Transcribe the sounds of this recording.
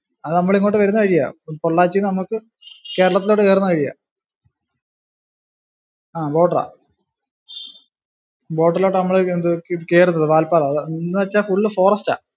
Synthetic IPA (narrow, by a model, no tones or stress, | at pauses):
ɐðɨnɐmːɐɭiŋːoːʈːɨʋɐɾunːuɨkɐɻijːa̰poɭːaːt͡ɕːinɐmukːɨ | ke̞ːɾɐɭɐt̪̬ːiloʈːɨeːrɐnːukɐɻijːa̰ː | aːbo̞ːʈːɐra̰ː | bo̞ːʈːɐrlo̞ːʈːɨnɐmːɐɭend̪ɨkeːrunːɐðɨʋaːlpaːɾːʋɐt͡ɕːaːfuɭːɨfo̞ːrɐsta̰ː